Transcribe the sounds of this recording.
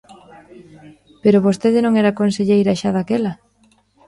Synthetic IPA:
peɾoβost̪eðɪnõŋɛɾakonseʎejɾaʃaðakelɐ

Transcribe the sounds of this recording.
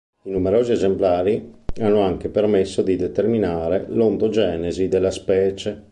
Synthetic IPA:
inumeɾoːziezemplaːɾianːoaŋk̟epermesːod̪id̪et̪erminaːɾelont̪od͡ʒɛːnezid̪elːaspɛːt͡ʃe

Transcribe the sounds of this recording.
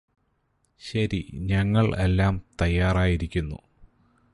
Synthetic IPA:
ɕɐɾḭɲɐŋːɐɭe̞lːaːmt̪ɐjːaːraːjiɾikʲːunːṵ

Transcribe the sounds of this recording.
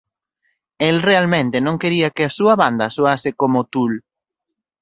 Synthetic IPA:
elrealmẽnt̪ɪnõŋkeɾiɐkɪasuɐβand̪ɐsuasɪkomʊt̪ul

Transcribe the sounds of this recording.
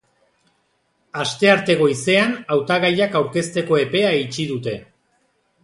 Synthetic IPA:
ast̪e̞aɾt̪e̞ɣo̞ise̞anawt̪aɣajakawɾke̞st̪e̞ko̞e̞pe̞ait͡ʃiðut̪e̞

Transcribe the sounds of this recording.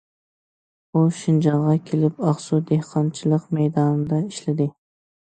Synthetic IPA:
uʃind͡ʒɑŋʁɑkʲʰelɪpɑχsud̪ehqʰɑnt͡ʃʰɪlˠəqmɛjd̪ɑnɨd̪ɑiʃlɪd̪ɪ

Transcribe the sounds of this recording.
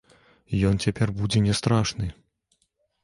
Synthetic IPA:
jɔnt͡sʲapʲɛrbud͡zʲɛnʲɛst̪ɾaʂnɨ

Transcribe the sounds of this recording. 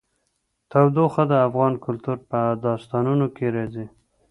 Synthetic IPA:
t̪awd̪oxəd̪əafɣɑnkʊlt̪uɾpəd̪ɑst̪ɑnunokeɾɑzi

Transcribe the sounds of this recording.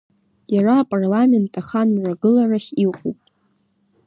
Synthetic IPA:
jaraːpʼarlame̞ntʰʼaχanmraɡɨlaraχʲiqʼupʼ

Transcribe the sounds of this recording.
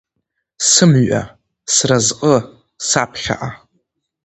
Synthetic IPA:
sɨmɥa̰ | srazqʼə | sapʰħa̰ʔa

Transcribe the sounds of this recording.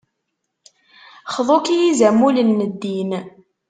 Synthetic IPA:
χðˤokijizæmulənːəd̪ːin

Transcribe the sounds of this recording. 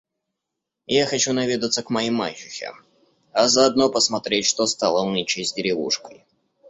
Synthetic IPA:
jaxɐt͡ɕunɐvʲed̪ət̪səkmɐimːa̰t͡ɕːɪxʲɪ̰ | ɐzəɐd̪nopəsmɐt̪ɾʲetʲʂt̪ost̪alˠənʲɪt͡ɕezʲdʲɪɾʲɪvṵʂkəj

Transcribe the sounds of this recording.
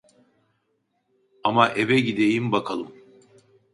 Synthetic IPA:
amaʔevɛɟid̪e̞jimbakʰalˠɯm

